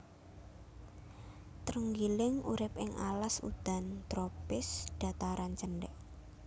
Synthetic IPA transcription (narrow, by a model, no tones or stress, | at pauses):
t̪ɾuŋɡilɪŋuɾɪp̚ɪŋʔa̰lasṵd̪̥a̤nt̪ɾopɪsɖ̥a̤t̪aɾant͡ʃənɖɛ̰ʔ